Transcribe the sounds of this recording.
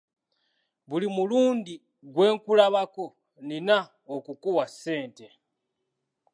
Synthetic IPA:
βulimuluːndi | ɡwe̞ːŋkulaβako̞ | nina | okukuwase̞ːnte̞

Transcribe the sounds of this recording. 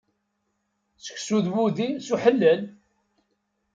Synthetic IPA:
sə̥çsuðwuðimsuħəlːəl

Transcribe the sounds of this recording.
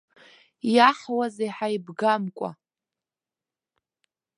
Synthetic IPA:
jaħwazejħaibɡamkʷʼa̰

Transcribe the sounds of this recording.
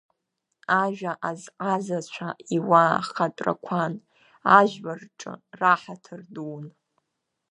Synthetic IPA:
aʒᶣaʔazqʼazat͡ɕʷʰaʔiwaːχatʼra̰kʷʰan | aʒᶣʕarʈ͡ʂʼɨ̰raħatʰɨrduwn

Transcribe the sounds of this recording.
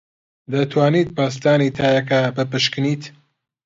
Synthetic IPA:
d̪ɐt̪ʰwaːniːt̪̚paːst̪aːnit̪ʰaːjɐkabɨpɨʃkɨniːt̪

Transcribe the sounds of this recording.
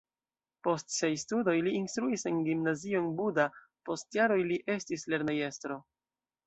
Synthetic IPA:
po̞stse̞jstudo̞jliːnstɾuise̞nɡimnazio̞nbuda | po̞stjaɾo̞jliʔe̞stisle̞ɾneje̞stɾo̞

